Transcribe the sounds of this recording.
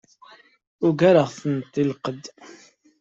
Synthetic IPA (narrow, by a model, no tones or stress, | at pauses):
ʊɡaɾəʁθənt̪ˤːilqəd̪